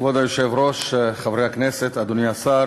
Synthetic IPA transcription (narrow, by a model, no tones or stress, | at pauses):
vod̪ajoʃevɾo̞ʃχavɾeakneset̪ad̪oniasa